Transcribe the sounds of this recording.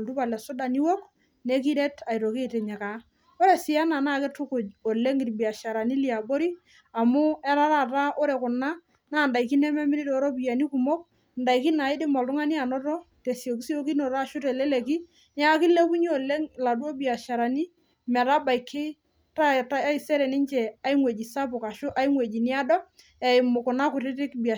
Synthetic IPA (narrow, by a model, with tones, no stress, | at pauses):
ltu˦pa˨lɛ˨sʊ˦da˨ni˦wo˦k | ne˦ki˦ɾɛ˦tʰa˨jɾo˨ke˦˨tɛ˨ɲɛ˨ka˨˦ | o˦ɾe˦sɪ˨a˦na˨na˦˨kɪ˦tʊ˦kʊ˨d͡ʒo˨le˦ŋɪ˨ɾbi˨a˨ʃa˨ɾa˨ni˦li˦a˨bo˦ɾi˦ | a˨mʊ˦ɛ˦ɾa˦ɾa˦˨ta˦ʔo˦ɾe˨kʊ˨na˦ | naː˦˨nda˨i˨ki˦nɛ˦mɛ˦mɪ˦ɾi˦dɔ˨ɾɔ˦bi˨ja˨ni˦ku˨mɔ˦k̚ | nda˨i˨ki˦na˨ɪ˦dɪ˦mɔ˨ltʊ˦ŋa˦ni˦a˨nɔ˦tɔ˦te˨sjo˨ki˦si˦o˦ki˦nɔ˨ɾa˦ʃʊ˦tɛ˨lɛ˦le˨ki˦ | n˦a˦kɪ˦le˦ku˦ɲ˦o˨le˦ŋla˨du˦o˦bi˨a˨ʃa˨ɾa˨ni˦ | mɛ˨ɾa˦ba˨i˨kʰːɪ˦ | ta˦ta˦a˦i˦sɛ˦ɾɛ˨nɪ˦nt͡ʃɛ˨a˦iŋwe˨d͡ʒi˨sa˦p̬ʊ˨ka˨ʃʊ˦ʔa˦i˦ŋwe˨d͡ʒi˨ni˦a˦dɔ˦ | ɛ˨ɪ˨mʊ˨kʊ˨na˦kʊ˨tɪ˦tɪ˦kbi˨